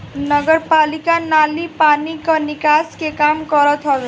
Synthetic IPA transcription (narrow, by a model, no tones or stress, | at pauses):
nʌɡʌrpalikanalipanikanikaskekamɡʌɾʌt̪ʰʌ